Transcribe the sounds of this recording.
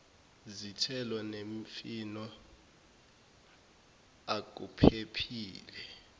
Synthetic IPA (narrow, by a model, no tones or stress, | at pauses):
zitʰɛlɔneɱfinɔ | ak̬upʰepʰiːlɛ